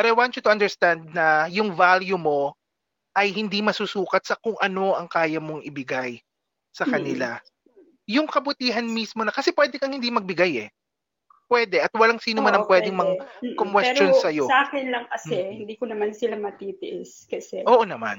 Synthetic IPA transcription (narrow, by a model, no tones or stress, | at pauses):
pɛɾɐwant͡ʃʊt̪ʊɐnd̪ɛɹst̪and̪̚nɐjʊŋvaljumo̞ | ʔɐjhɪnd̪imɐsusuːkɐt̪̚sɐkʊŋʔɐno̞ʔɐŋkaːjɐmo̞ŋʔɪbɪɡaj | sɐkɐnɪla | jʊŋkɐbʊt̪iːɦɐnmismo̞nɐkɐsɛpwɛːd̪ɛkɐŋhɪnd̪imɐɡ̚bɪɡajɛ | pwɛːd̪ɛʔɐt̪̚wɐlaŋsiːnomanɐŋpwɛːd̪ɪŋmɐŋkomwɛt͡ʃːonsɐjosʔaːkɪnlɐŋkɐsɛhɪnd̪iːkonɐmansɪlamɐt̪it̪ɪʔɛskɐsɛʔoːʔonɐmã̰n